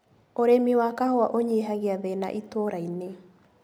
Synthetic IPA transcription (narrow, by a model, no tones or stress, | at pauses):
oɾemiwakahoaʔoɲeɦaɣeaðena̰ʔitoɾaine